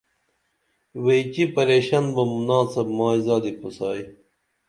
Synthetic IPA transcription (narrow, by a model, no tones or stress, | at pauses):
wejt͡ɕipɐɾeːɕɐnbɐmunaːsɐbmaːizaːd̪ipʰusaːi